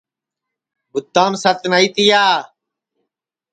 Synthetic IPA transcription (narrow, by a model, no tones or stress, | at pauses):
bʊt̪ːaːmsət̪naiːt̪ijaː